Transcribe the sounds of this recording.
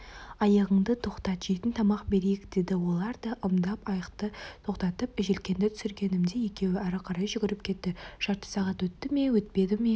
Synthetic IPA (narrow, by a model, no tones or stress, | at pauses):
ɑjɑʁəɴd̪ət̪ʰo̞qt̪ɑt̪ʒet̪ɪnt̪ʰɑmɑqbe̞ɾejɪkd̪̥e̞d̪ɪwo̞lˠɑɾd̪ɑʔəmd̪ɑpɑjəqt̪ət̪ʰo̞qt̪ɑt̪əpɪʒe̞lkʲe̞nd̪ɪt̪ʰʏ̥sɪɾɡʲe̞nɪmd̪eje̞kʲe̞wɪæɾəqʰɑɾɑjʒʏɡʲɪɾɪp̚kʲʰe̞t̪ːɪʒ̥ɑɾt̪ə̥sɑʁɑt̪wɵt̪ːɪme̞wɵt̪̚pe̞d̪ɪme̞